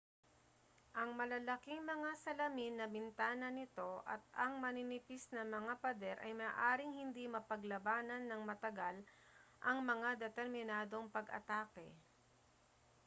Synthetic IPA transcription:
ʔɐŋmɐlɐlɐkiŋmɐŋasɐlɐminːɐbɪnt̪aːnɐnɪt̪o̞ʔɐ̰t̪̚ɐŋmɐnɪnɪpisnɐmɐŋapɐd̪ɛɾʔɐ̰jmɐːʔaːɾɪŋhɪnd̪imɐpɐɡlɐbaːnɐnːɐŋmɐt̪ɐɡal | ʔɐŋmɐŋad̪ɛt̪ɛɾmɪnaːd̪o̞ŋpɐɡɐ̰t̪aːkɛ̰

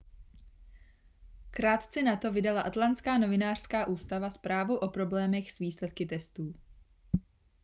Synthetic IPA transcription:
kɾaːt̪t͡sɛnat̪o̞vɪdalaʔat̪lant̪t͡skaːno̞vɪnaːr̝̥skaːʔuːst̪avaspɾaːvuʔo̞pɾo̞blɛːmɛxz̥viːslɛt̪kɪt̪ɛst̪uː

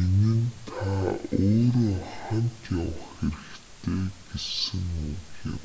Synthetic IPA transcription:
enɘ̆nt̪ʰaoːɾoːχant̪ʰjawə̆χxeɾɘ̆xt̪ʰeːɡ̥esɘ̆ŋukjɪ̰̆m

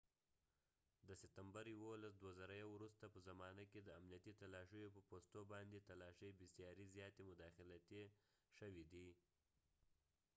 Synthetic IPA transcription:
d̪əsɪt̪ambaɾjiwolasd̪wazaɾajawɾust̪apəzamɑnaked̪əamnijat̪it̪alɑʃəjopəpost̪obɑnd̪et̪alɑʃəjbɪsjɑɾizjɑt̪emʊd̪ɑxɪlat̪e | ʃəwid̪i

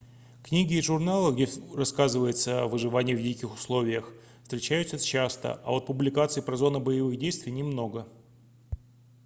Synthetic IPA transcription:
knʲiɡʲɪːʐʊrnalˠəɡdʲerɐskazɨvəjɪt̪səvɨʐɨvanʲɪjəvdʲikʲɪxʊ̥slˠo̞vʲɪjəx | fst̪ʲɾʲɪt͡ɕæjʉt̪səst͡ɕːast̪ə̰ʔɐ̰o̞t̪̚pʊblʲɪkat̪sɨɪpɾɐzo̞nəbəjɪvɨɣdʲejst̪vʲɪjnʲɪmno̞ɡə

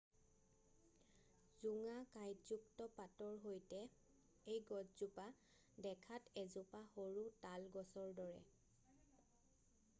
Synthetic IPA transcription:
zuŋakajzuktɔpatɔɹɦojtɛ | ejɡɔdzupa | dɛkʰatɛzʊpahoɹutalɡɔsɔɹdɔɹɛ̰

